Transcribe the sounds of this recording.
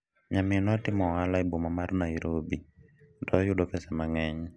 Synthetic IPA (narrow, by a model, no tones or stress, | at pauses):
ɲamɪnatɪmɔalaɪbomamarnaiɾobi | dɔjʊdɔpɛsɛmaŋɛɲ